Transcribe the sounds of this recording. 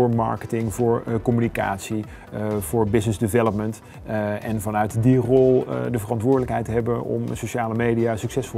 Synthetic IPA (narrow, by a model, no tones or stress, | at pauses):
ʊːɹmɑ̰ɹkətɪŋvʊːɹkɔmynika̰ːtsi | v̥ʊːɹbɪsnəzdɪvɛləp̚mənt | ɛnvɑnœɥtdirɔlˠdəvərɑntʋʊːɹdələkɦɛjtəɦɛbənɔ̰msoʃaːləmejdijaːsyksɛsfɔl